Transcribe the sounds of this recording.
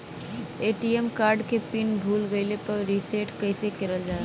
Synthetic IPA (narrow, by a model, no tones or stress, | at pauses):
eːʈiemkaːɾɖkepɪnbʱuːlɡəɪlepɐɾɾiseːʈkɐsekɪɾəld͡ʒaː